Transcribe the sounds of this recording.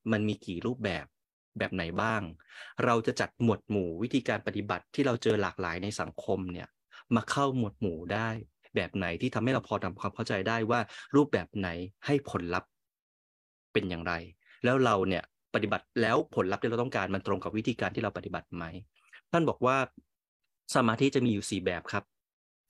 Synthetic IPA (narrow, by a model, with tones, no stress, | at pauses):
ma˧nmiː˧kiː˨˩ɾuː˥˩p̚bɛː˨˩p̚ | bɛː˨˩p̚na˨˩˦jbaː˥˩ŋɾa˧wt͡ɕa˨˩t͡ɕa˨˩t̪̚mu˨˩ət̪̚muː˩˦wt̪ʰiː˧kaː˧npa˨˩t̪i˨˩ba˨˩t̪ʰːiː˥˩ɾa˧wt͡ɕɤː˧laː˨˩k̚la̰ː˩˦jna˧jsa˩˦ŋkʰo˧mni˥˩ɐ | maː˧kʰa˥˩wmu˨˩ət̪̚muː˨˩˦daː˥˩j | bɛː˨˩p̚na˩˦jt̪ʰiː˥˩t̪ʰa˧ma˥˩jɾa˧wpʰɔː˧t̪ʰa˧mkʰwaː˧mkʰa˥˩wt͡ɕa˧jdaː˥˩jwaː˥˩ɾuː˥˩p̚bɛː˨˩p̚na˩˦jha˥˩jpʰo˩˦nla˦˥p̚ | e˧njaː˨˩ŋɾa˧j | lɛː˦˥wɾa˧wni˥˩ɐ | pa˨˩t̪̚i˨˩ba˨˩t̪̚lɛː˦˥wpʰo˨˩˦nla˦˥p̚t̪i˥˩ɾa˧t̪ɔ˥˩ŋkaː˧nma˧nt̪ɾo˧ŋka˨˩wi˦˥t̪ʰiː˧kaː˧nt̪ʰiː˥˩ɾa˧wpa˨t̪i˨˩ba˨˩t̪̚ma˦˥j | t̪ʰa˥˩nbɔː˨˩k̚waː˥˩ | saː˨˦maː˧t̪ʰi˦˥t͡ɕa˨˩miː˧juː˨˩siː˨˩bɛː˨˩p̚kʰɾa˦˥p̚